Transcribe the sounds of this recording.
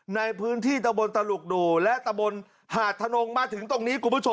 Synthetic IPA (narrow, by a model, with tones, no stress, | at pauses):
na˧jpʰɯː˦˥nt̪ʰiː˥˩t̪a˧mbo˧nt̪a˧lu˨˩k̚duː˨˩lɛ˦˥ʔt̪a˧mbo˧n | haː˨˩t̪ʰːa˧no˧ŋmaː˧t̪ʰɯ˩˦ŋt̪o˧ŋniː˦˥kʰu˨˩mpʰːu˦˥˩t͡ɕʰo˧